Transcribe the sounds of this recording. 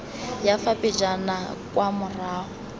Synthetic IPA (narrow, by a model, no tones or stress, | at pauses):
jafapid͡ʒanakʼwamʊraːɦɔ